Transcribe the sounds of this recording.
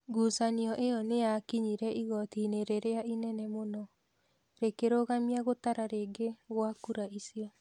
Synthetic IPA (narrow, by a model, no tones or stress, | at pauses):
ɡusaniɔʔejɔnejakiɲiɾɛiɣɔtineɾeɾeaʔinɛnɛmonɔ | ɾekeɾoɣamiaɣotaɾaɾeɡeɣwakuɾaisiɔ